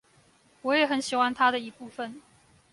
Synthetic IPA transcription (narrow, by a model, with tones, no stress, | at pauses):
wɔ˧˦˥jɛ˨˩xə˧˦nɕi˨˩xwa˥nt̪ʰa˥d̪ə˨i˧˥pu˥˩fə˨n